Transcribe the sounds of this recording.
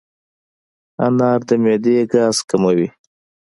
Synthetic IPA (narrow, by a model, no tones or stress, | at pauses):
a̰nɑːɾd̪əmed̪eːɡɑːzkamawi